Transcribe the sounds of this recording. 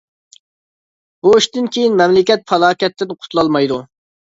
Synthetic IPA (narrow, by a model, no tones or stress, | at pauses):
boiʃt̪ɪnkʲʰejinmɛmlɪkʲɛt̪̚fʰɑlˠɑːkʲɛt̪ːɪnqʰʊ̥t̪ʰlˠɑlˠmɑjd̪u